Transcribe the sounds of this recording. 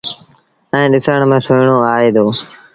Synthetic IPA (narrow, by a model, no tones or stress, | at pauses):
ɛ̃ːɗɪsəɳmẽːsʊːɳoːaːɦeːd̪oː